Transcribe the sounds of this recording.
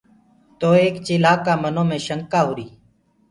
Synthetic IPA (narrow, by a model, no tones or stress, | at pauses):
t̪oːeːkt͡ʃɪːlaːkaːmənõːmẽːʃəŋkaːɦʊːɾiː